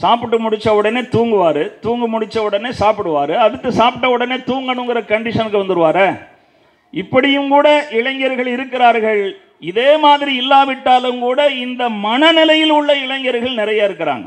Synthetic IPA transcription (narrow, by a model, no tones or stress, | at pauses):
saːpɪʈːɯmʊɽɪt͡ʃːɐʊɽɐneːt̪uːŋɡɯʋaːɾɯt̪uːŋɡɯmʊɽɪt͡ʃːɐʊɽɐneːsaːpɪɽɯʋaːɾɯɐðɯt̪ːɯsaːpʈːɐʊɽɐneːt̪uːŋɡɐɳɯŋɡɪɾɐkɐɳɖɪʂɐnɯkːɯʋɐnd̪ɯɾɯʋaːɾɐ | ɪpːɐɽɪjɯmkuːɽɐɪɭɐŋɡɐɾɣɐɭɪɾɯkːɪɾaːɾɣɐɭ | ɪðeːmaːðɪɾiɪlːaːʋɪʈːaːlɯmkuːɽɐɪnd̪ɐmɐnɐnɪlɐjɪlʊɭːɐɪɭɐŋɡɐɾɯɣɐɭnɪɾɐjaːɪɾɯkːɪɾa̰ːŋɡɐ